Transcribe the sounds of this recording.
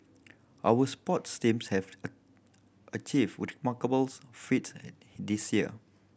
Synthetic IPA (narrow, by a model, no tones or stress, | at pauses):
ʔawəspɔtstĩmshɛv | ʔət͡ʃivwɪtmakəbəlsfits | disjiə̰